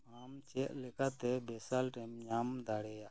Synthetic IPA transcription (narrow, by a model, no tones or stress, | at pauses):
amt͡ʃɛʔ̚lɛkat̪ɛbɛsalʈɛmɲamd̪aɽɛjaʔ